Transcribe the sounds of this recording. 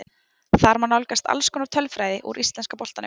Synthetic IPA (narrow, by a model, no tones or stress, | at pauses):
θaɾmanawlkast̪a̰lskɔːnaɾt̪ʰœlfɾaːjðɪʔṵɾʔist̪ɛnskapɔlt̪anɪ